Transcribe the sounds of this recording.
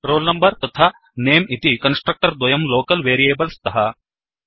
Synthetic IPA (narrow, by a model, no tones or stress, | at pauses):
ɾoːlnɐmbɐɾt̪ɐt̪ʰaː | neːmit̪ikɐnsʈɾɐk̚ʈɐɾd̪ʋɐjɐmloːkɐlʋeːɾieːbɐlst̪ɐɦɐ